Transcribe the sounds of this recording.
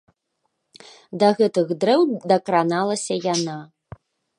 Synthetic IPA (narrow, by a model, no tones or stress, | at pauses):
d̪ɐɣɛt̪ɨɣd̪ɾɛwd̪ɐkɾanalˠɐsʲɐjana